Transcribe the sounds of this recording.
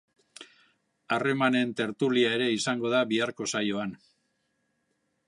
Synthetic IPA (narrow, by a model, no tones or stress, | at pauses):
are̞mane̞nt̪e̞ɾt̪uliae̞ɾe̞isaŋɡo̞ð̞aβiaɾko̞sajoan